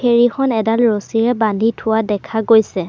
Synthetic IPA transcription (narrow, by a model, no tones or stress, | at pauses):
eɹixɔnɛdalɹosiɹɛbandʱitʰʊwadɛkʰaɡojsɛ